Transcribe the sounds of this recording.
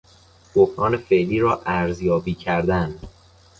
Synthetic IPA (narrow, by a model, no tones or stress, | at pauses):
b̥ofɾɒːne̞fe̞ʔliːɾɒːʔæɾzjɒːbiːcʰæɾd̪ænd̪